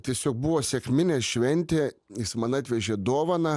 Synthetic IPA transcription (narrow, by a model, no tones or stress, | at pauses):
t̪ʲiɛsʲoːk̚bʊʋoːsʲɛkmʲɪnʲeːsʃʲʋʲɛnʲt̪ʲeːjɪsmɐnɑːt̪ʲʋʲɛʒʲeːd̪oːʋɐnɐ